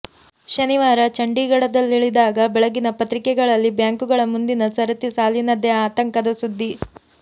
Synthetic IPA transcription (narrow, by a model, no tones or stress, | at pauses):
ʃɐniʋaːɾɐt͡ʃɐɳɖiɡɐɽɐd̪ɐlːiɭid̪aːɡɐbɛɭɐɡinɐpɐt̪ɾikɛɡɐɭɐlːibjaːŋkuɡɐɭɐmund̪inɐsɐɾɐt̪isaːlinɐd̪eaːt̪ɐŋkɐd̪ɐsud̪ːi